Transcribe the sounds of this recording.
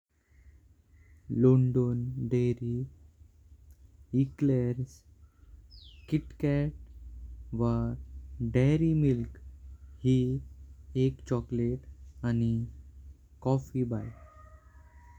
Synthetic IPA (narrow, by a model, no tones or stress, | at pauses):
loɳɖonɖeɾi | ikleɾs | kiʈkɛʈ̚ | ʋaɾɖeɾimilkhi | ekt͡ɕɔkleʈani | kɔfibaj